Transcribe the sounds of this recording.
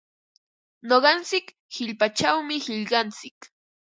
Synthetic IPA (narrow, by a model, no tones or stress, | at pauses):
noɢɑnt͡sɪk | hɪʎpat͡ʃawmɪhɪʎɢɑnt͡sɪk